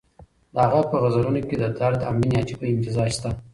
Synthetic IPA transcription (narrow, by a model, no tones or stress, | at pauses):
d̪əaɣapəɣazaɾunoked̪ət̪aɾd̪əamminjɑt͡ʃipəɪmt̪ɪzɑʃt̪a